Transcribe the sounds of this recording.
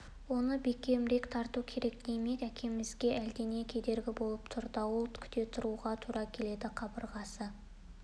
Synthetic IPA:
wo̞nəbekʲe̞mɾe̞kt̪ʰɑɾt̪ukʲʰe̞ɾe̞kd̪e̞jmek̪ækʲe̞mɪzɡʲe̞ʔæld̪ene̞kʲʰe̞d̪e̞ɾɡʲɪbo̞lˠəpt̪ʰʊɾd̪əwolˠt̪kʲʰʏ̥t̪e̞t̪ʰʊɾuʁɑt̪ʰuɾʔɑkʲʰe̞le̞d̪ɪqʰɑbəɾʁɑsə

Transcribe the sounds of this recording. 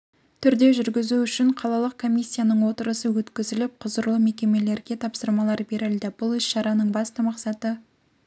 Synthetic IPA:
t̪ʰʏɾd̪e̞ʒʏɾɡʲɪzuʏʃɪɴqʰɑlˠɑlˠəq̚kʰo̞mʲijsʲːijanəɴwo̞t̪əɾəsəwɵt̪kʲɪzɪlɪp̚qʰʊzəɾlˠəme̞kʲe̞me̞le̞ɾɡʲe̞t̪ʰɑpsəɾmɑlˠɑɾbeɾɪlʲd̪ɪbʊlˠɪsʃɑɾɑnəɴbɑst̪əmɑqsɑt̪ə

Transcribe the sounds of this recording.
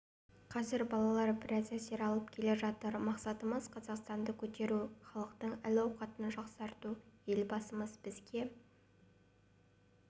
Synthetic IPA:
qʰɑzɪɾbɑlˠɑlˠɑɾbɪɾæzæse̞ɾɑlˠəp̚kʲʰe̞le̞ʒɑt̪əɾmɑqsɑt̪əməzqʰɑzɑqst̪ɑnd̪əkʲʰɵt̪e̞ɾuχɑlˠəqt̪əɴɪlɑwqɑt̪ənʒɑqsɑɾt̪uje̞lbɑsəməzbɪzɡʲe̞

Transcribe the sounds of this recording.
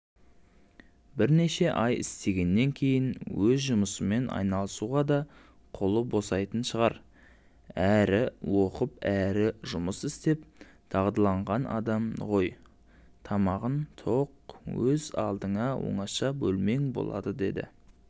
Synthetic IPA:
bɪɾneʃe̞ʔɑjɪ̰st̪e̞ɡʲe̞nːe̞ŋkʲʰe̞jɪnwɵzʒʊməsəme̞nʔɑ̰jnɑlˠəsuʁɑd̪ɑ | qʰolˠəbo̞sɑjt̪ənʃəʁɑɾ | æɾɪwo̞qəpæɾɪʒʊməsɪst̪e̞p̚ | t̪ʰɑʁd̪ɑlˠɑɴʁɑnɑ̰d̪ɑmʁo̞j | t̪ʰɑmɑʁənt̪ʰo̞q̚wɵzɑ̰lˠd̪əɴɑwo̰ɴɑʃɑbɵlme̞ŋbo̰lˠɑ̰d̪əd̪e̞d̪ɪ̰

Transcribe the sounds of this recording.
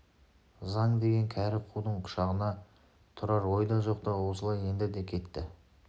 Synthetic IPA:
zɑɴd̪e̞ɡʲe̞ŋkʲʰæɾɪqʰud̪əɴqʰʊ̥ʃɑʁənɑ | t̪ʰʊɾɑɾwo̞jd̪ɑʒo̞q̚t̪ɑwo̞səlˠɑje̞nd̪ɪd̪e̞kʲʰe̞t̪ːɪ

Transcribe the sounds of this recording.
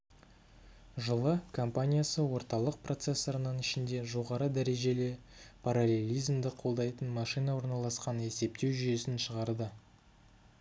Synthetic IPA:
ʒəlˠəkʰo̞mpanʲijasəwo̞ɾt̪ɑlˠəq̚pro̞t̪se̞sːo̞ɾənəɴɪʃɪnd̪e̞ʒo̞ʁɑɾəd̪æɾe̞ʒe̞lepʰaɾalʲe̞lʲijzmd̪ɪqʰo̞lˠd̪ɑjt̪ənmɑʃijnawo̞ɾnɑlˠɑsqɑne̞se̞p̚t̪e̞wʒʏje̞sɪnʃəʁɑɾd̪ə

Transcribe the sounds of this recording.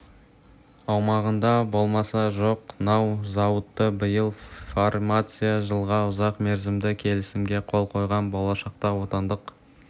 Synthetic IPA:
ɑwmɑʁənd̪ɑbo̞lˠmɑsɑʒo̞qnɑwzɑwət̪ːəbəjəlˠformat̪sɨjaʒəlˠʁɑʊzɑqme̞ɾzɪmd̪ɪkʲʰe̞lɪsɪmɡʲe̞qʰo̞lˠqʰo̞jʁɑnbo̞lˠɑʃɑq̚t̪ɑwo̞t̪ɑnd̪əq

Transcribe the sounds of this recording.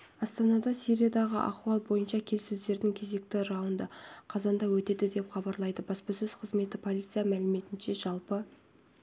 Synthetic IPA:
ɑst̪ɑnɑd̪ɑsiɾʲijad̪ɑʁə̰ʔɑ̰quɑlˠbo̞jənʃɑkʲʰe̞lsɪzd̪e̞ɾd̪ɪŋkʲʰe̞ze̞k̚t̪ɪɾɑwənd̪əqʰɑzɑnd̪ɑwɵt̪e̞d̪ɪd̪e̞pχɑbɑɾlˠɑjd̪əbɑspəsɪz̥qʰəzme̞t̪ɪpʰolʲijt̪sijɑmælɪme̞t̪ɪnʃe̞ʒɑlˠpə

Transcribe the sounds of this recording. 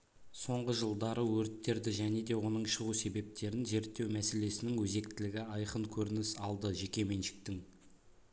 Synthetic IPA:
so̞ɴʁəʒəlˠd̪ɑɾəwɵɾt̪ːe̞ɾd̪ɪʒæne̞d̪e̞wo̞nəɴʃəʁuse̞be̞p̚t̪e̞ɾɪnʒe̞ɾt̪ːe̞wmæse̞le̞sɪnɪŋwɵze̞k̚t̪ɪlɪɡʲɪɑjqəŋkʲʰɵɾɪnɪsɑlˠd̪əʒe̞kʲe̞me̞nʃɪ̥k̚t̪ɪŋ

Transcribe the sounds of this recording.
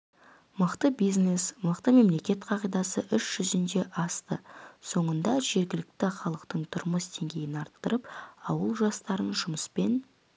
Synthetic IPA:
məqt̪əbijzne̞sməqt̪əme̞mle̞kʲe̞t̪qʰɑʁijd̪ɑsəʔʏʃʒ̥ʏzɪnd̪e̞ʔɑst̪əso̞ɴənd̪ɑʒe̞ɾɡʲɪlɪk̚t̪ɪχɑlˠəqt̪əɴt̪ʰʊɾməsd̪ʰe̞ŋɡʲe̞jɪnɑɾt̪ːəɾəpɑwəlˠʒɑst̪ɑɾənʒʊməspe̞n

